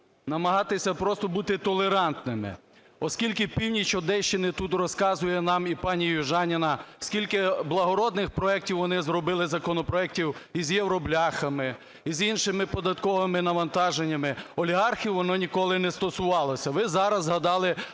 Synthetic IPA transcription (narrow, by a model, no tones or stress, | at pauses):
nɐmɐɦɑt̪ɪsʲɐpɾɔst̪ɔbut̪ɪt̪ɔlˠeɾɑnt̪nɪmɪ̰ | ɔskʲilʲkɪpʲiwnʲit͡ʃɔd̪ɛʃt͡ʃɪnɪt̪ut̪rɔskɑzʊjɛnɑmipɑnʲijʊʒɑnʲɪnɐskʲilʲkɪblˠɐɦɔɾɔd̪nɪxpɾɔɛk̚tʲiwʋɔnɪzɾɔbɪlˠɪzɐkɔnɔpɾɔɛk̚tʲiwizjewɾɔblʲɑxɐmɪ | izinʃɪmɪpɔd̪ɐt̪kɔʋɪmɪnɐʋɐnt̪ɑʒenʲːɐmɪɔlʲiɦɑrxʲiwʋɔnɔnʲikɔlˠɪnɛst̪ɔsʊʋɑlˠɔsʲɐʋɪzɑɾɐzɦɐd̪ɑlˠɪ